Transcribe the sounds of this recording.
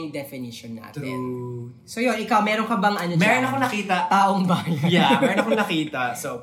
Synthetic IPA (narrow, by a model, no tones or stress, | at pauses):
ŋd̪ɛfɪniʃonːa̰ːt̪ɛ̰n | sojonʔɪkawmɛːɾoŋkɐbɐŋʔɐnɐmɛːɾonɐkonɐkiːt̪ɐt̪aːʔoŋbɐjjamɛɾonɐkoŋnɐkiːt̪ɐso